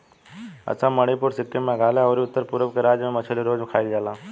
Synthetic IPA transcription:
ə̰t͡ʃʰaməɽ̃ipʊɾsɪkʈːemmẽɡʱaːlaɔːɾiʊt̪ːəɾpʊɾəʋkeɾaːd͡ʒəmẽmɐt͡ʃʰəliɾoːd͡ʒʊkʰaːild͡ʒaːlãː

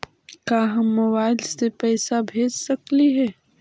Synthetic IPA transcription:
kaːɦɐmːɐwaːlsepɛːsabʱeːd͡ʒsɐkliɦɛː

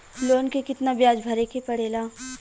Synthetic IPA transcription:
loːnkekɪt̪nabjaːd͡ʒbʱɐɾekepɐɽeːlaː

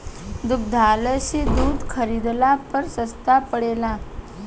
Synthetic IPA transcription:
d̪uk̚d̪ʱaləɕid̪uːd̪kʰəɾid̪lapəɾsəst̪apəɽela

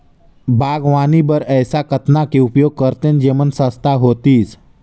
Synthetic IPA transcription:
bʱaːɡʋaːnibəɾɛːsakət̪nakeʊpjoːɡ̚kəɾt̪end͡ʒeːmənsə̃st̪ʰaɦoːt̪iːs

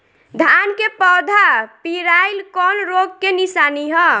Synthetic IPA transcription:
d̪ʱankepɔd̪ʱapiɾajlkɔnɾoɡ̚kenisaniɦɔ

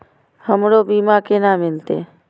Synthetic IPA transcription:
həmɾoːbiːmakenaːmɪlt̪ḛː

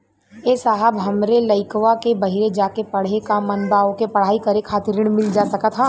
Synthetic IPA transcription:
eːsaːɦəbɦɐmɾelɐɪkʋakebɐɦɪɾed͡ʒaːkepɐɽ̤ekamɐnbaːõkepɐɽ̤aːikɐɾekʰaːt̪ɪɾɪɽ̃mɪld͡ʒaːsɐkət̪ɦãː

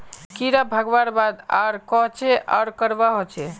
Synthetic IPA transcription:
kiɾabʱəɡʋaɾbad̪a̰ɾkɔɦt͡ʃʰɛʔa̰ɾkəɾbaɦot͡ʃʰɛ

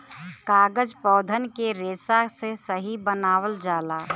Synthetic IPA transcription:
kaːɡəd͡ʒpɔːd̪ʱənkeɾeːsasesəɦibənaːwəld͡ʒaːlaː

